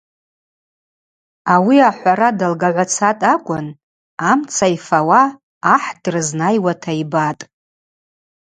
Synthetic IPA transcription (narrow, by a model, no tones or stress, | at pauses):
awiaħʷaɾadalɡaʕʷat͡sʰatʼakʷʼʊn | amt͡sʰaifawaː | ħdrɨznajwatʰaibatʼ